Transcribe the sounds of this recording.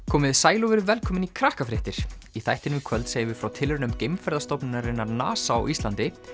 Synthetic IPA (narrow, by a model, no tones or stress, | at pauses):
kʰɔːmɪðsaːjlɔvɪɾʏvɛlkʰɔːmɪnikʰɾahkafɾɪht̪ɪɾ̥ | iθajht̪ɪnɪkʰvœlt̪seːjɪvɪfɾawt̪ʰɪlɾɪnʏmcejmfɛɾðast̪ɔpnɪnaɾɪnːaɾna̰ːsaa̰wʔist̪ant̪ɪ